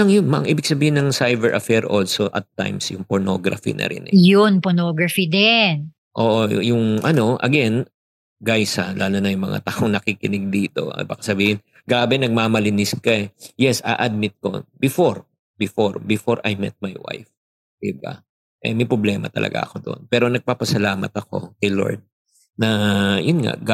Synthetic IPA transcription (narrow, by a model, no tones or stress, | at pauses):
ɐŋjʊnmʔŋʔiːbɪɡ̥̚sɐbiːhɪnɐŋsajbɛɹʔɐfɛɹʔo̞lsoʔɐt̪ːa̰jmsjʊŋpoɹno̞ɡɾɐ̰fḭnɐ̰ɾʔɪ̰nʔɛjʊnpɔɹnoɡɹɐfid̪ɛn | ʔoːʔo̰jʊŋʔɐno̞ʔɐ̰ɡɛn | ɡajsɐlaːlonɐjʊŋmɐ̰ŋa̰t̪aːʔoŋnɐkikɪnɪɡ̚d̪iːt̪o̞̰ba̰ːkɐsɐbiːhɪn | ɡaːbɛnɐɡ̚maːmɐlɪnɪskɐɛjɛsʔa̰ʔɐd̪̚mɪt̪̚ko̞̰bɪfoɾ | bɪfoɹbɪfo̞ɹʔɐjmɛ̰t̪̚majwa̰jf | d̪̥ɪba̰ | ʔɛ̰mɐjpɾoblɛːmɐ̰t̪ɐ̰lʔɐ̰ɡa̰ʔɐ̰ko̞d̪o̰npɛːɾo̞nɐɡ̚paːpɐsɐlaːmɐ̰t̪ɐko̞̰kɐjlo̞̰ɹd̪̚ | nɐjʊnŋa̰ɡ